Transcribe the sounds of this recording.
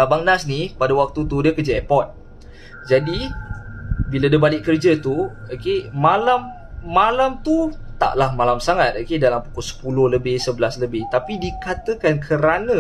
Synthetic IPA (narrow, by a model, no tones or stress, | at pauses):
abaŋnasnipadawak̚t̪ut̪udiəkəd͡ʒaɛpɔt̪̚ | d͡ʒadi | biladəbalɪʔkərd͡ʒət̪uakemalamː | alamt̪ut̪a̰ʔlahmalamsaŋat̪̚akedalampu̥kɔsə̥pulʊhləbɪhsəbəlasləbɪht̪apidikat̪əkankʰəɾanə̃